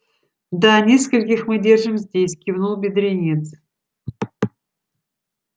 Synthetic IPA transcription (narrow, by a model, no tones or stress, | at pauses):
d̪anʲeskəlʲkʲɪxmɨdʲerʐɨmzʲdʲesʲkʲivnulˠbʲɪd̪ɾʲenʲet̪s